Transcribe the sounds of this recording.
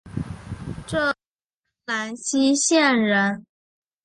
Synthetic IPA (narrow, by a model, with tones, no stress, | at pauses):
ʈ͡ʂɤ˥˩˥ | la˧˥nɕi˥ɕjɛ˥˩nɻə˧˥n